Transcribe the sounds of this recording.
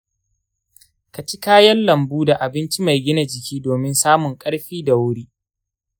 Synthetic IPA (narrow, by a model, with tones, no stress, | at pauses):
ka˨t͡ʃi˦kaː˦jɐ˦nlɐ˨mbuː˦da˨ʔa˨bɪ˦nt͡ʃi˦ma˨jɡʲɪ˦na˨d͡ʒɪ˨kʲiː˦doː˨mɪ˦nsaː˦mʊ˨ŋkʼɐ˦ɽɸiː˦da˨wʊ˦ɽiː˦